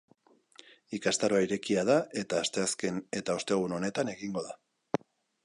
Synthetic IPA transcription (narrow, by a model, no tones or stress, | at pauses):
ikast̪aɾo̞aiɾe̞kiað̞ae̞t̪aːst̪e̞aske̞ne̞t̪ao̞st̪e̞ɣ̞uno̞ne̞t̪ane̞ɣiŋɡo̞ða